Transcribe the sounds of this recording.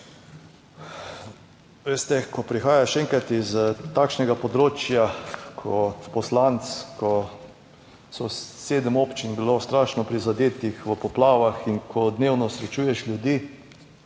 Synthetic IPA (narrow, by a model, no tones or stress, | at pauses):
ʋeːst̪ɛkɔpɾixaːjaʃɛŋkɾat̪izt̪aːkʃnɛɡapɔd̪ɾoːt͡ʃjakʰɔt̪pɔslant̪skɔ | sɔseːd̪əmoːpt͡ʃinbilost̪ɾaːʃnɔpɾizad̪eːt̪ixʋəpɔplaːʋaxiŋkʰɔd̪newnɔsɾɛt͡ʃuːjɛʃljud̪iː